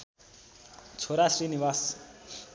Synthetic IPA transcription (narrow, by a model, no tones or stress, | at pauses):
t͡sʰoɾasɾiniʋas